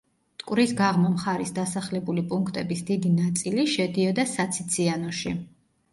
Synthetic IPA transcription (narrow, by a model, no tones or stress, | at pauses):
t̪ʼkʼwvɾisɡaʁmamχaɾisd̪asaχlɛbulipʼuŋkʰt̪ʼɛbisd̪id̪inat̪sʼiliʃɛd̪iɔd̪asat̪sʰit̪sʰianɔʃḭ